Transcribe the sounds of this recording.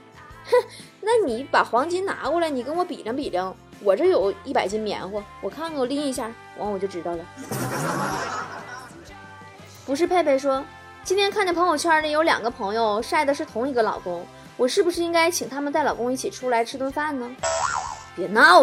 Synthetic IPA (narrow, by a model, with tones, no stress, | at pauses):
na˥˩ni˨˩˥pa˨˩xwɑ˧˥ŋt͡ɕi˧˥nna̰˧˥kɔ˥˩la˧ɪni˨˩kə˥nwɔ˧˥pḭ˨˩ljɑ˧˥ŋpi˨˩ljɑ˧˥˩ŋ | wɔ˨˩ʈ͡ʂɤ˥˩jo˨˩ʊi˥˩pa˨˩ɪt͡ɕi˧˥nmjɛ̰˧˥nxwɔ˥˩wɔ˨˩kʰa˥˩nko˥˩li˥ŋi˧˥ɕ̬ja˥˩ | wʔɑ̰˧˥ŋwɔ˨˩t͡ɕjo˥˩ʊʈ͡ʂɻ̩˧˥t̪ɑ˥˩ʊlə˨˩ | pu˧˥ʂ̬ɻ̩˥˧pʰe˥˧ɪpe˥˩ɪʂ̬wɔ˥ | t͡ɕi˥nt̪ʰjɛ˥nkʰa˥˩n˨˩pʰɤ˧˥ŋjo˧ʊt͡ɕ̩ʰ˥ə˞˧˥ʈ͡ʂə˥˩jo˧˥ʊljɑ̰˨˩ŋɡə˧˦pʰɤ˧˥ŋjo˧ʊʂa˥˩ɪd̪ə˩ʂɻ̩˥˩t̪ʰʊ˧˥ŋi˧˥ɡə˧lɑ̰˨˩ʊkʊ˥ŋ | wɔ˨˩ʂɻ̩˥˩bu˩ʂ̬ɻ̩˥˩i˥ŋka˥ɪt͡ɕʰi˨˩ŋt̪ʰa˥mə˨nt̪a˥˩ɪlɑ˨˩ʊkʊ˥ŋi˥˩t͡ɕʰi˨˩ʈ͡ʂʰu˥la˧˥ɪʈ͡ʂʰɻ̩˥t̪wʊ˥ŋfa˥n˨nə˩ | pjɛ˨˩na˥